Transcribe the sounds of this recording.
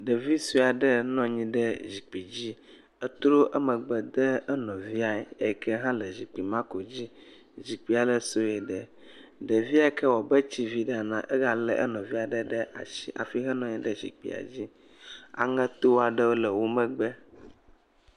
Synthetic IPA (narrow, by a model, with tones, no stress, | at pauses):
ɖə˨vi˦su˦a˨ɖə˦nɔ̃˦ɲĩ˦ɖə˦d͡ʑi˨k͡pi˨d͡ʑi˦ | ə˦t̪ɾo˦ʔə˦mə̃˨ɡ͡bə˨d̪ə˦ə˦nɔ̃˨vi˦a˨ɛ˨e˦˨kɛ˦ɦã˦lə˨zi˨k͡pi˨mã˦ko˨d͡ʑi˦ | zi˨k͡pi˨˦a˨lə˦so˦e˨ɖə˨ | ɖə˨vi˦a˨˦kɛ˦wɔ˨bə˦t͡ɕi˦vi˦ɖa˨nã̰˨ʔə˦ɣa˨lə̰˨ʔə̰˦nɔ̃˨vi˦a˨ɖə˦ɖə˦ʔa̰˨ʃi˦ʔa̰˨fi˦ɦɛ˦nɔ̃˨ɲĩ˦ɖə˦zḭ˨k͡pḭ˨a̰˨d͡ʑi˦ | a̰˨ŋɛ̃˦t̪o˦wa˨ɖə˦wo˦lə˨wo˦mə̃˦ɡ͡bə˦